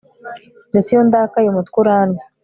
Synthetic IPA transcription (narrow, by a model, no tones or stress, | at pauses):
ndet͡sijond̪aːkajomat̪kuɾaːnda